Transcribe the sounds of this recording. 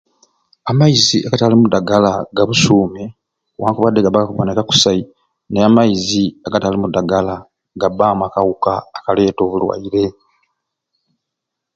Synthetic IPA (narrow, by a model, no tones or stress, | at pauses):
amajiziʔaɡatalimudaɡalaɡaβusuːme | waːŋkuβadːeɡabalakuβonekaku̥sai | neamajiziaɡatalimudaɡala | ɡabaːmakawukaːkale̞ːto̞ːβulwa̰iɾe̞